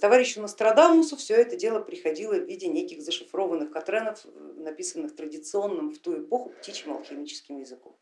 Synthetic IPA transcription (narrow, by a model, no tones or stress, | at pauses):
st̪ɐvaɾʲɪɕːʊnəst̪ɾɐd̪amːʊsʊfsʲɵɛt̪ədʲe̞lˠəpɾʲɪxɐdʲilˠəvʲidʲɪnʲekʲɪxzəʂɨfɾo̞vənːɨxkɐt̪ɾɛnəfnɐpʲisənːɨxt̪ɾədʲɪt̪sɨo̞nːɨmft̪uɪpoxʊptʲit͡ɕɪmɐ̰lˠxʲɪmʲit͡ɕɪ̥skʲɪmjɪzɨko̰m